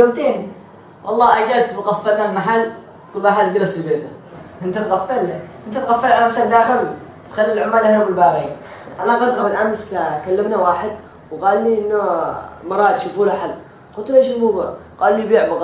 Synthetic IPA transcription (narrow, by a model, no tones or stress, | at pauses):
jomt̪eːn | wʔɑ̰lˤːɑːʔaɡad̪bɪɣafːaɾnamaħalː | kʊlbaːħalɡɪɾɑsfibeːt̪aʔɪnt̪at̪ɣafːalʔɪnt̪at̪ɣafːalʕalaasaːld̪aːxɪl | t̪xalːlʕʊmːaːlʔahamɪlbaːɣiːnʔalaɣɑd̪ɣamɪnʔamskalːamnawaːħɪd̪ | wɣɑːlːiʔɪnːamɑɾˤɑːd̪ʃufuːlaħal | qʊt̪lʔeːʃɪlmubuʕqɑːlːibiːʕbɪɣ